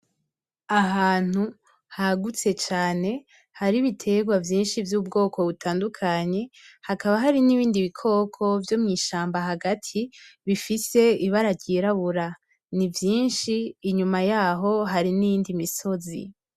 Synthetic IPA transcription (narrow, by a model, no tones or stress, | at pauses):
aɦaːn̥u | haɡut͡se̞t͡ʃaːne̞ | haɾiβitʰe̞ɡwavjiːnʃivjuːbɡo̞ːkʰo̞βutaːndukʰaɲe̞hakaβaɦaɾiniβiːndiβikʰo̞kʰo̞vjo̞mŋiːʃaːmbaɦaɡatʰiβifise̞iβaɾaɟiɾaβuɾa | nivjiːnʃiːɲumajaɦo̞ɦaɾinijiːndimiso̞zḭ